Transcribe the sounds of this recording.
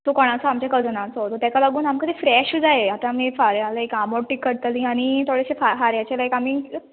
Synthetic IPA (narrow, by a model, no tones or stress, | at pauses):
t̪okɔɽ̃at͡sɔamt͡ɕjakəld͡zənãt͡sɔt̪ɔt̪jakalaɡuːnamkət̪ifɾɛɕd͡zaeat̪amiːfaɾjaləekamoɽʈːikːəɽt̪əlĩaɽ̃it̪ʰoɽeɕefaɦaɾjat͡ɕalaekamiː